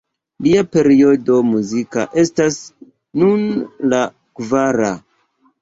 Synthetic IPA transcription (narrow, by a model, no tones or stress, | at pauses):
liape̞ɾio̞do̞muzika̰ʔe̞stas | nunla | kvaɾa